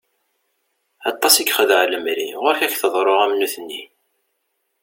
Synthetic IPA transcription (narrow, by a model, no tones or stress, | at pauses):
ɑt̪ˤːɑsikχəðʕləmɾḭʁʊɾçæçθəðˤɾˤoʁæmnuθənːi